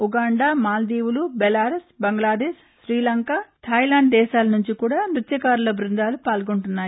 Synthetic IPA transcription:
uɡaːɳɖaːmaːld̪iːwulubɛlaːɾesbɐŋɡlaːd̪eːʃːɾiːlɐŋkaːt̪ʰɐjlaːɳɖ̚d̪ɛːʃaːlɐnuɲt͡ʃikuːɽaːnɾut̪jɐkaːɾulɐbɾund̪aːlupaːlɡoɳʈunːaːji

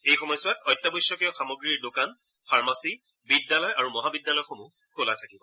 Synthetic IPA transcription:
ejxɔmɔjsʊatɔjtːabɔjsɔkɛɔxamɔɡɹiɹdokan | pʰaɹmasi | bidjalɔjaɹumɔɦabidːalɔjxomu | kʰola̰tʰakibɔ

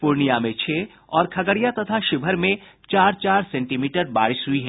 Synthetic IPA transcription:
pʊɾnijamẽt͡ʃʰeː | ɔːɾkʰɐɡəɽijat̪ɐt̪ʰaʃɪbʱəɾmẽ | t͡ʃaːɾt͡ʃaːɾsɛ̃ːɳʈiːmiːʈəɾba̰ːɾɪsɦʊiɦɛ

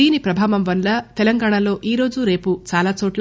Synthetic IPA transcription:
iːnipɾɐbʱaːʋɐmʋɐnlɐt̪ɛlɐŋɡaːɳɐlo̞ːʔiːɾo̞ːd͡ʒuɾe̞ːput͡ʃaːlaːt͡ʃoːʈl

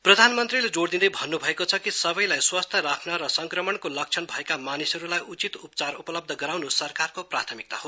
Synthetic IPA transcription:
prʌd̪ʱanmʌnt̪riled͡zoɽd̪ind̪ʌjbʱʌnːubʱʌekot͡sʰʌkisʌbʌjlajswast̪ʰjʌɾakʰnʌɾʌsʌŋkrʌmʌɳkolʌk̚t͡sʰʌnbʱʌekamanisʌɾulajʔut͡sit̪upt͡sarupʌlʌb̚d̪ʱʌɡʌɾawnusʌrkarkoprat̪ʰʌmik̚t̪aɦo

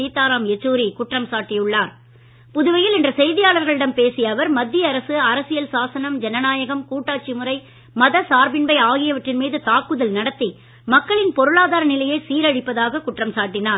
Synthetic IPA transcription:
iːt̪aːɾaːmɛt͡ʃːuːɾikʊʈrɐmsaːʈːɪjʊɭːaːɾ | pʊðʊʋɐjɪlɪndrɐsɛjðɪjaːɭɐɾɣɐɭɪɽɐmpeːsɪjɐːʋɐɾmɐd̪ːɪjɐɐɾɐsɯɐɾɐsɪjɐlsaːsɐnɐmd͡ʒɛnɐnaːjɐɣɐmkuːʈːaːt͡ʃːimɯɾɐɪ | mɐðɐsaːɾbɪnbɐɪaːɣɪjɐʋɐʈrɪnmiːðɯt̪aːkɯðɐlnɐɽɐt̪ːi | mɐkːɐɭɪnpɔɾɯɭaːðaːɾɐnɪlɐjɐsiːɾɐɻɪpːɐðaːɣɐkʊʈrɐmsaːʈːɪnaːɾ

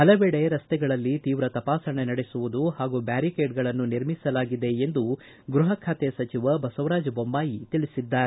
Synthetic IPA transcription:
ɦɐlɐʋeɽe̞ɾɐst̪ɛɡɐɭɐlːit̪iːʋɾɐt̪ɐpaːsɐɳenɐɽesuʋud̪uɦaːɡubaːɾikeːʈɡɐɭɐnːuniɾmisɐlaːɡid̪e̞ːnd̪u | ɡɾuɦɐkʰaːt̪ɛɐsɐt͡ʃiʋɐbɐsɐʋɾaːd͡ʒɐbombaːjit̪iɭisid̪ːaːɾe

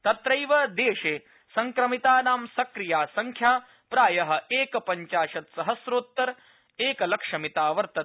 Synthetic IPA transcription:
t̪ɐt̪ɾɐjʋɐd̪eːʃeː | sɐŋkɾɐmit̪aːnaːmsɐkɾijaːsɐŋkʰjaː | pɾaːjɐɦɐ̆eːkɐpɐɲt͡ʃaːʃɐt̪sɐɦɐsɾoːt̪ːɐɾ | eːkɐlɐkʂɐmit̪aːʋɐɾt̪ɐ

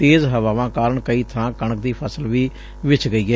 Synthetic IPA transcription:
t̪eːzɦəʋaːʋãːkaːɾəɳkəiːt̪ʰãːkəɳək̚d̪iːpʰəsəlʋiː | ʋɪt͡ʃɡəiːɛː

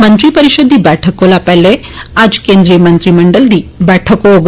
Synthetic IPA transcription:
mənt̪ɾipəɾiʃəd̪ʱːibɛʈʰəkolapɛlead͡ʒkend̪ɾijəmənt̪ɾiməɳɖəld̪iːbɛʈʰəkoːɡ

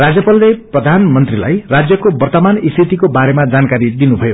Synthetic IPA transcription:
rad͡zjʌpalːeprʌd̪ʱanmʌnt̪rila̰jrad͡zjʌkobʌrt̪ʌmanist̪it̪ikobaɾemad͡zankaɾid̪inubʱʌjo

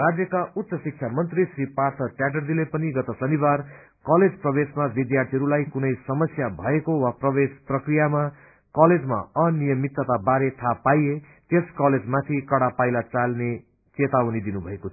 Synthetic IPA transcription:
rad͡zjʌkaut̪sʌsik̚t͡ʃʰamʌnt̪risripart̪ʰʌʈjaɖʌrd̪ilepʌniɡʌt̪ʌsʌnibar | kʌled͡zprʌbesmabid̪jart̪ʰiʌɾulajkunʌjsʌmʌsjabʱʌekowaprʌbesprʌkrijama | kʌled͡zma̰ʌnijʌmit̪ːʌt̪abaɾet̪ʰapaje | t̪eskʌled͡zmat̪ʰikʌɽapajlat͡salne | t͡set̪awnid̪inubʱʌekot̪ʰ

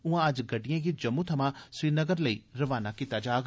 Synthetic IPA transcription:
ũɦãɐd͡ʒɡɐɖijãkid͡ʒɐmːũt̪ʰɐmãsʋiːnəɡəɾlɐiːɾɐʋaːnakɪt̪ad͡ʒaːɡ

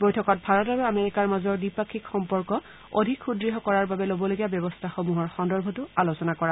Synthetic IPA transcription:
bojtʰɔkɔt̚bʱaɹɔt̚babɛameɹikaɹmazɔɹdipakʰːikxɔmpɔɹkɔ | o̰dʱikxudɹiɦɔkɔɹaɹbabɛlobɔloɡijabɛbɔstʰaxomuɦɔɹxɔndɔɹbʱɔtʊalosɔnakɔɹa

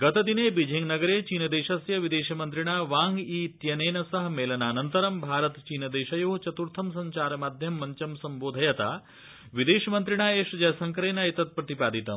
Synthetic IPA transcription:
ɡɐt̪ɐd̪ineːbid͡ʒʱiŋɡnɐɡɐɾeːt͡ʃiːnɐd̪eːʃɐsjɐʋid̪eːʃɐmɐnt̪ɾiɳ̃aːʋaːŋɡiːt̪jɐneːnɐsɐɦmeːlɐnaːnɐnt̪ɐɾɐmbʱaːɾɐt̪t͡ʃiːnɐd̪eːʃɐjoːɦt͡ʃɐt̪uɾt̪ʰɐmsɐɲt͡ʃaːɾɐmaːd̪ʱjɐmːɐɲt͡ʃɐmsɐmboːd̪ʱɐjɐt̪aː | ʋid̪eːʃɐmɐnt̪ɾiɳ̃aːeːʃd͡ʒɐjsɐŋkɾeːnaːit̪ɐt̪̚pɾɐt̪ipaːd̪it̪ɐm

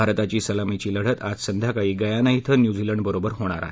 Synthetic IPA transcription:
aɾt̪at͡ɕiːsəlamit͡ɕiːləɽ̤ət̪ad͡zsənd̪ʱjakaɦiːɡəjanaɦit̪ʰənjud͡ziləɳɖbəɾobəɾɦoɽ̃aɾa̰ɦe

